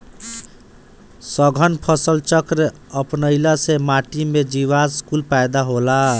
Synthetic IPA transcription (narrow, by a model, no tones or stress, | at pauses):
səɡʱənpʰəsəlt͡ʃəkɾe | əpnəlasemaʈimed͡ʒiβaskulpajd̪aɦola